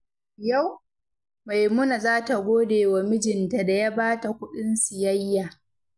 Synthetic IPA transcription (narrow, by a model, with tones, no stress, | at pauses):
ja˦˨w | ma˨jmʊ˦na˨zaː˦ta˨ɡʷoː˦deː˨wa˨mɪ˦d͡ʒɪ˨nta˨da˨ja˦baː˦ta˨kʷʊ˦ɗɪ˦nsɪ˨jɐ˦jːaː˨